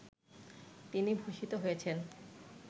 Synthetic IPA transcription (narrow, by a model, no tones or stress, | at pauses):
t̪inibʱuʃit̪oɦojet͡ɕʰen